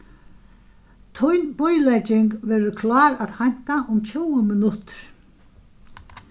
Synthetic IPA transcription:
t̪ʰɔjnpɔjlajt͡ɕɪŋkvɛːɾʏkʰlaːɾaðhajn̥t̪aʔʊmt͡ɕʰoːwʏmɪnʊt̪ɾ̥

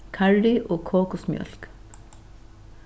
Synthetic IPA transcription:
kʰaɹɖɪʔoːkʰoːkʊsmjœ̰lk

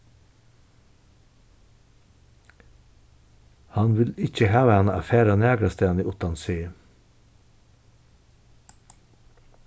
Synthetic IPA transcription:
hɑnʋɪlɪc͡çəhæːʋænəɑfeːɾɑnæːɡɾɑst̪ʰeːniːʔʊt̪ɑnsyː

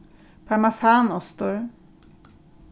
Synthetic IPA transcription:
pʰamasanɔst̪ɔɾ

